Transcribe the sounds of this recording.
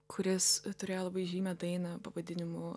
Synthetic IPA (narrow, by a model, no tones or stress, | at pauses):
kʰʊɾʲɪst̪ʊɾʲeːjolˠɐbɐɪʒʲiːmʲɛd̪ɐɪnɐpɐʋɐd̪ʲɪnʲɪmʊ